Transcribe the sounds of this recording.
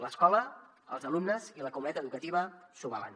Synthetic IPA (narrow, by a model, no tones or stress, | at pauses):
ləskɔlə | ə̰lˠzəlumnəziləkumunɛt̪əðukət̪iβəsuβala̰n